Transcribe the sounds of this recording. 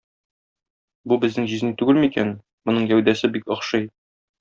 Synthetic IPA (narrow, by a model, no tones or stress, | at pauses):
bubɘ̆znɘŋʑiznit̪ʉɡɘlmikæn | mŏnɤɴjæwd̪æsɘbikɒ̆χʃɤj